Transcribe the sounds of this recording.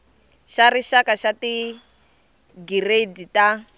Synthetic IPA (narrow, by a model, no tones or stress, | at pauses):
ʃariʃakaʃati | ɡiredita